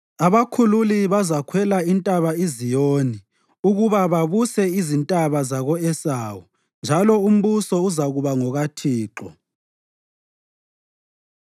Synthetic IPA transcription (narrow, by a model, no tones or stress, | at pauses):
aβakʰululiβazakʰwɛlaintʼaβaizijoːni | uɣuβaβaβusɛizintʼaβazaɣɔɛsaːwɔ | nd͡ʒʱalɔum̩βusɔuzaɣuβaŋɔɣatʰiːǁɔ̰